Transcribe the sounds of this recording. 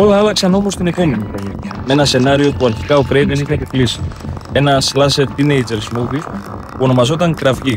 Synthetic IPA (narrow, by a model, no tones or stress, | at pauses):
o̞lɐɐlɐksɐno̞mo̞st̪ine̞po̞menikomime̞nɐse̞nɐɾio̞puɐɾçi̥kɐo̞kɾej̪enixɐteklisi̥e̞nɐslɐseɾt̪inejd͡ʒe̞ɾsmuvi | puo̞no̞mɐzo̞t̪ɐŋkɾɐfʝi